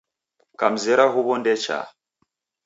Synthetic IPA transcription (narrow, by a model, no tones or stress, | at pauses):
kam̩zɛɾaɦuβɔndɛt͡ʃa̰